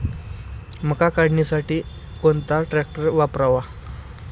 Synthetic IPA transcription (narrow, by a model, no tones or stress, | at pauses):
m̤əkakaɽ̤ɳisaʈiː | koɳt̪aʈɾɛk̚ʈəɾʋapɾaʋa